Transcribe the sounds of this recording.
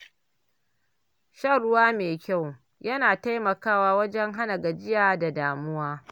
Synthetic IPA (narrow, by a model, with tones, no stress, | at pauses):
ʃɐ˦˨ɾʊ˦waː˦meː˨kʲa˦˨w | jɐ˦naː˨ta˦jmɐ˨kaː˦waː˦wɐ˦d͡ʒɛ˦ŋɦa˦na˨ɡa˨d͡ʒɪ˦jaː˨da˨daː˨mʊ˦waː˦